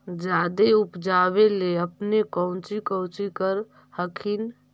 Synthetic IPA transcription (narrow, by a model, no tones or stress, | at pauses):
d͡ʒad̪eupd͡ʒaβeleəpnekə̃ʊ̃t͡ʃikə̃w̃t͡ʃikəɾ | həkʰin